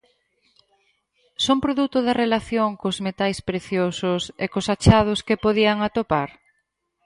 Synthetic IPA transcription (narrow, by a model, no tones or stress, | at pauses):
sompɾoðut̪ʊðɐrelaθjoŋkozmet̪ajspɾeθjosʊsekʊsat͡ʃað̞ʊskepoðiaŋat̪opaɾ